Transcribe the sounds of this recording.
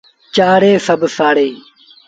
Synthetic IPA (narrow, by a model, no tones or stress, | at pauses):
t͡ʃaːɽeːsəbsaːɽeː